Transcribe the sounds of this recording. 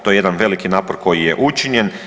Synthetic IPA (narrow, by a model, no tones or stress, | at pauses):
t̪o̞jeje̞d̪anʋe̞likinaːpoɾkʰo̞jije̞ʔut͡ʃiɲe̞n